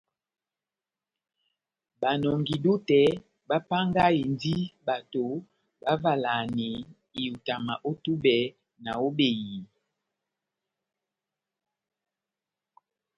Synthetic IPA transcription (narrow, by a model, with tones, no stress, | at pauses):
ba˨nɔ˨ŋɡi˨du˦tɛ˨˦ | ba˦pa˦ŋɡa˦i˨ndi˦ba˨to˨ | ba˦va˨la˨ni˨ | i˨ju˨ta˨ma˨ʔo˦tu˦bɛ˨˦ | na˨o˦be˨ji˨